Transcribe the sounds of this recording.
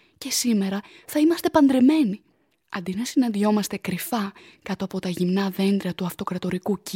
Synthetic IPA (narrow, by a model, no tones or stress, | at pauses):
ce̞sime̞ɾɐθɐimɐst̪e̞pɐnd̪ɾe̞me̞ni | ɐnd̪inɐsinɐnd̪io̞mɐst̪e̞kɾifɐkɐt̪o̞ɐpo̞t̪ɐʝimnɐðe̞nd̪ɾiɐt̪uɐft̪o̞kɾɐt̪o̞ɾikuc